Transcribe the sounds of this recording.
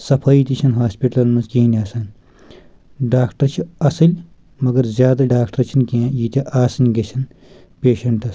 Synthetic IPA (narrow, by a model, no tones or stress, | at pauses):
sɐpʰɐːit̪ʲit͡ʃʰɐnɦaːspiʈlɐlmɐzkẽːnʲɐːsɐn | ɖaːkʈɐɾt͡ʃʰiɐsɐlʲ | mɐɡɐɾzʲjaːd̪ɐɖaːkʈɐɾt͡ʃʰinkẽːjiːt̪ʲɐʔaːsɐnɡet͡ʃʰɐn | peːʃɐɳʈɐs